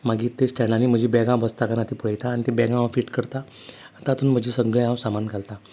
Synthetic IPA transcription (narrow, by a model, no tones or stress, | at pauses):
maɡiːɾt̪esʈɛɽaniːm̤əd͡ʑibɛɡãwbəst̪akanat̪iːpəɽajt̪aːɽ̃it̪ebɛɡãfiːʈkəɾt̪aː | t̪at̪uːnm̤əd͡ʑʱiːsəɡɭeãwsamankalt̪a